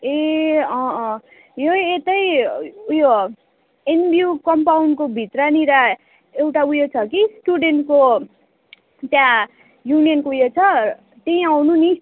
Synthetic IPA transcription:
eʌ̃ | joet̪ʌjujo | enbʱiukʌmpawɳɖkobʱit̪rʌniɾa | ewʈaujot͡sʰʌkisʈuɖenʈko | t̪jã | junijʌnkoujot͡sʰʌ | t̪eĩawnuni

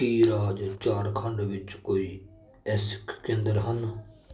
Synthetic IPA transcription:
kiːɾaːd͡ʒt͡ʃaːɾkʰəɳɖʋɪt͡ʃkoːiː | ɛːsɪ̥kːẽnd̪əɾɦən

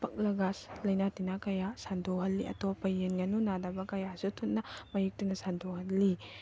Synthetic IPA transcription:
pʰɐk̚lɐɡaslɐjnatinakɐjasandʰoɦɐlːiʔɐ̰topːɐjenɡɐnunadɐbɐkɐjasutʰutnɐmɐjik̚tunɐsandʰohɐtlːi

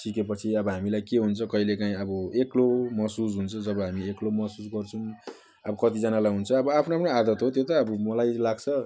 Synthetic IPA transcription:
ʈʰikepʌt͡sʰiʌbʌɦamilajkeɦunt͡sʰʌkʌilekaĩʌbʌeklomʌsus̬ɦunt͡sʰʌd͡zʌbʌɦamieklomʌɦsusɡʌrt͡sʰũ | ʌbʌkʌt̪id͡zʌnalajɦunt͡sʰʌʌbʌapʰnoapʰnoad̪ʌt̪ɦot̪jot̪ʌːbʌmʌlajlaɡt͡sʰʌ

